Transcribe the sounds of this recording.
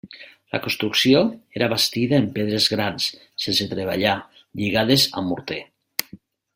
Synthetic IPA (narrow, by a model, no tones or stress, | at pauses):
la̰konst̪ɾuksioeɾaβast̪iðaempeðɾezɣɾans | senset̪ɾeβ̞a̰ʎa | ʎiɣaðeza̰muɾt̪e